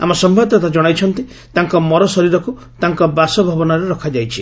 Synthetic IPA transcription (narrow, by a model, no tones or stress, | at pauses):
a̰mɔsɔmbʱad̪ɔt̪ad͡ʒɔɽ̃ajt͡ʃʰɔnt̪i | t̪aŋkɔmɔɾɔsɔɾiɾɔku | t̪aŋkɔbasɔbʱabɔnaɾeɾɔkʰad͡ʒajt͡ʃʰi